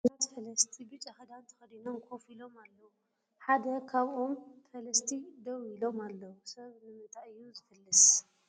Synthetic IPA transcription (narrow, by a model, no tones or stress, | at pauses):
nat̪fɐlɐst̪ʰibɨt͡ʃʼaxɐd̪ant̪ʰɐ̥xɐd̪inomkʰo̞filo̞malːɐwu | ħad̪ɐkʰaβʔo̞mfɐlɐst̪ʰid̪ɐwilo̞malːɐwusɐβnɨmɐt̪ʼaʔɨjːuzɨfɨlːɨs